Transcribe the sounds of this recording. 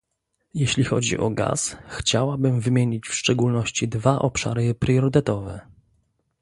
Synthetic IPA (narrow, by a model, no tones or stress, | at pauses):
jeɕlʲixɔd͡ʑḭʔɔ̰ɡa̰sxt͡ɕawabɘmvɘmʲjeɲit͡ɕfʂt͡ʂɛɡulnɔɕt͡ɕid̪vaʔɔpʂa̰ɾɘpɾʲjɔɾɘt̪ɛt̪ɔvɛ